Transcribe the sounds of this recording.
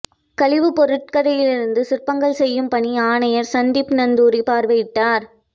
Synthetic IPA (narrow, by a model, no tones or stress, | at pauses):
kɐlɪʋɯpɔɾɯʈ̚kɐɽɐjɪlɪɾɯnd̪ɯsɪrpːɐŋɡɐɭsɛjːɯmpɐɳiaːɳɐjɐɾsɐnd̪ipnɐnd̪uːɾipaːɾʋɐjɪʈːaːɾ